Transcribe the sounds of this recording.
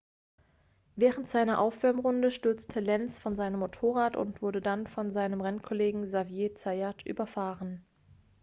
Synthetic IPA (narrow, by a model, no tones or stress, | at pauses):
vɛːʁəntz̥aɪnɐʔaʊfv̥ɛɐmʁʊndəʃtʏɐt͡stʰəlɛnsfɔnzaɪnəmːotʰoːʁaːtʊ̰ntv̥ʊɐdədanfɔnzaɪnəmʁɛnkʰɔleːɡŋ̩zavjeːt͡saɪatʰʔy̰ːbɐfaːʁən